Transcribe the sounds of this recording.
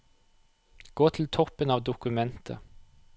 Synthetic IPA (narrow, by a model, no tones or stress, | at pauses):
ɡ̥oːt̪ʰɪl̩t̪ʰɔpənɑːʋd̪ʊkʉmɛnt̪ʰə̰